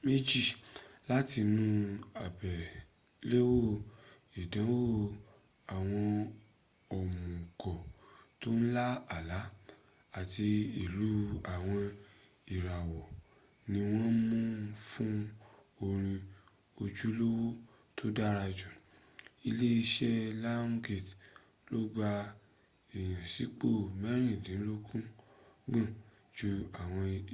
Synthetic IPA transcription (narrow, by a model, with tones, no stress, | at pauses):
me˦d͡ʒi˦˨la˦ti˧nũ˧˦a˨bɛ˨ | le˦wo˦˨ | i˨dã˨˦wo˦˨ | a˨w̃ɔ̃˧ | ɔ˨mũ˨ɡɔ˨to˦n̩˦la˦a˨la˨˦ | a˦˨ti˧i˨lu˨˦a˨w̃ɔ̃˧ | i˨ɾa˨wɔ˨ | nĩ˧w̃ɔ̃˦mũ˦fũ˦ | o˧ɾ̃ĩ˧ | o˧d͡ʒu˦lo˦wo˦ | tʰo˦da˦ɾa˧d͡ʒũ˨ | i˧le˦i˧ʃɛ˦la˦ŋ˦ɡe˨t | lo˦ɡ͡ba˧ | i˨j̃ã˨si˨˦k͡po˦˨mɛ˦ɾ̃ĩ˦˨dĩ˨˦lo˦kũ˦ɡã˦˨ | d͡ʒu˧a˨w̃ɔ̃˧˨